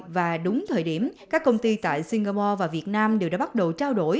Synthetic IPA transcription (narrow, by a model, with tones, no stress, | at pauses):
vaː˨˩ɗʊ˨˦ŋ͡mt̪ʰəː˨˩jɗi˧˩əmkaː˦˥kːə˧wŋ͡mt̪i˧t̪a̰ː˧˨jsi˧ŋ̟ɣaː˧pɔ˧vaː˨˩vi˨˩ət̚naː˧mɗe˨˩waː˧˥ɓt̚ɗə˨˩wt͡ɕaː˧wɗo̰˧˩j